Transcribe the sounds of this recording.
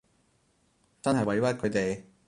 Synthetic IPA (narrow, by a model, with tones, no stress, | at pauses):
t͡sɐ˥nɦɐ˨jwɐ˨˩j̪kʰɵ˨˧˥t̪e˨j